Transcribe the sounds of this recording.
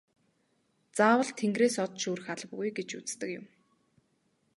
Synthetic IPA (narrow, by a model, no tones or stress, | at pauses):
t͡saːwə̆ɮt̪ʰeŋɡreːsɔt̪ʃuːɾɘ̆xaɮpɡujɡet͡ɕut͡st̪ə̆kjʊ̰̆m